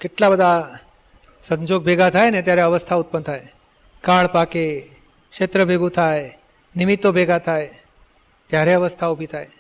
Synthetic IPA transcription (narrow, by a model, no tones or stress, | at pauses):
kɪʈlabəd̪ʱa | sə̃ɲd͡ʒoɡ̚bʱeɡat̪ʰajnet̪jaɾeəʋəst̪ʰaut̪̚pənt̪ʰae | kaɭpake | kʂet̪ɾəbʱeɡũt̪ʰae | nimit̪ːobʱeɡat̪ʰae | t̪jaɾeəʋəst̪ʰaubʱit̪ʰae